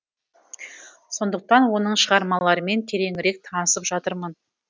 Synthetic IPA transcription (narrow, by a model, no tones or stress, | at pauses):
so̞nd̪əq̚t̪ɑnwo̞nəɴʃəʁɑɾmɑlˠɑɾəme̞nt̪ʰe̞ɾe̞ŋɪɾe̞k̚t̪ʰɑnəsəpʒɑt̪əɾmən